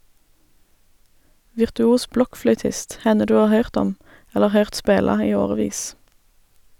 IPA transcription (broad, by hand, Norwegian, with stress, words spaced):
ʋɪʁtʉˈuːs ˈblɔkˌflœʏtɪst ˈhɛnə ˈdʉː ˈɑːʁ ˈhœʏʁt ˈɔm ˈɛləʁ ˈhœʏʁt ˈspeːlɑ ˈiː ˈoːʁəˌʋiːs